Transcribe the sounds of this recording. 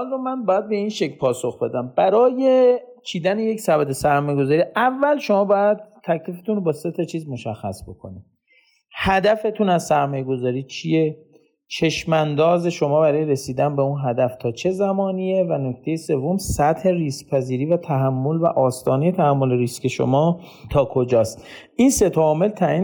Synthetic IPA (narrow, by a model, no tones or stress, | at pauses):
lromænbɒːjæd̪̚be̞inʃe̞cʰlpʰɒːsoxbe̞d̪æmb̥æɾɒːje̞t͡ʃʰiːd̪æneje̞csæbæd̪e̞sæɾmɒːjeɡo̞zɒːɾiʔævːælʃo̞mɒːbɒːjæd̪̚t̪ʰːæcʰlifet̪unbɒːse̞t̪ʰɒt͡ʃʰiːzmo̞ʃæxːæsbo̞kʰo̞̰ni | hæd̪æfe̞t̪ʰunæzsæɾmɒːjeɡo̞zɒːɾiːt͡ʃʰije | t͡ʃʰe̞ʃmænd̪ɒːze̞ʃo̞mɒːbæɾɒːjeɾe̞siːd̪ænbe̞unɦæd̪æft̪ʰɒːt͡ʃʰe̞zæmɒːnie̞vænokʰt̪ʰe̞jese̞vːo̞msæt̪he̞riːspʰæziːɾiːvæt̪ʰæɦæmːo̞lvæ̰ʔɒːst̪ɒːne̞je̞t̪ʰæhæmːo̞leɾiske̞ʃo̰mɒː | t̪ʰɒːkʰo̞d͡ʒɒːst̪ | inse̞t̪ʰɒɒːme̞lt̪ʰæʔiːn